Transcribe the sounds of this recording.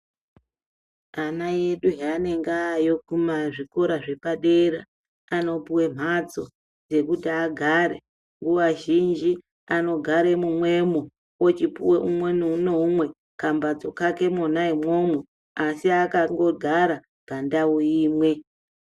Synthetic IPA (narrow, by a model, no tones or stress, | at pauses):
anaje̞ɗuɦane̞ŋɡajo̞kumaʐiko̞ɾaʐe̞paɗe̞ɾa̰ | ano̞puwe̞m̤at͡so̞̰ | d͡ze̞kutiaɡʱaɾḛ | ŋɡuwaʒind͡ʒi | ano̞ɡʱaɾe̞mumwe̞mo | wot͡ʃipṵweʔumwenunoumwe̞ | kambad͡zo̞kake̞monaimwo̞mwe | asiakaŋɡo̞ɡʱaɾa | ɡ̥ʱandauiːmwe̞